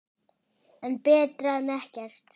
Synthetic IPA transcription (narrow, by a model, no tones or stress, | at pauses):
ɛnpɛːt̪ɾaɛnɛhcɛr̥t̪